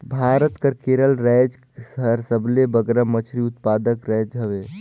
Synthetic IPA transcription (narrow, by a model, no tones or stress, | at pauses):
bʱaɾət̪kəɾkeɾəlɾɛd͡ʒ | səɦɾsəblebəɡɾəmət͡ʃʰɾiut̪pad̪əkɾɛd͡ʒɦəʋe